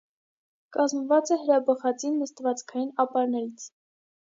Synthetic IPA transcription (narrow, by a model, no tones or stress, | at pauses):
kɑzməvɑt͡sɛɦəɾɑbəχɑt͡sinməst̪vɑt͡skʰɑjinɑpɑɾnɛɾit͡sʰ